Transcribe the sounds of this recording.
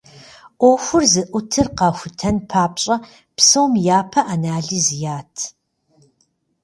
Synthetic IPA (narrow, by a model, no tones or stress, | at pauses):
ʔʷoxʷʊrzɨʔʷʊtʰɨrqɑːxʷʊtʰɐnpʰaːpɕʼɐ | psɐwmjaːpʰɐʔanaːɮiːzjaːtʰ